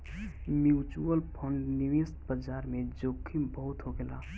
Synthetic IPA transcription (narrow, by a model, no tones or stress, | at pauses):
mjuːt͡ʃuəlpʰoɳɖniʋeːst̪̚bəd͡ʒaːɾmẽd͡ʒoːkʰːibəɦʊt̪ɦoɡela̰ː